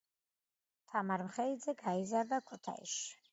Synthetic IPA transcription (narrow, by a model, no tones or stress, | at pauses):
t̪ʰamaɾmχɛid̪zɛɡaizaɾd̪akʰut̪ʰa̰ḭʃi̥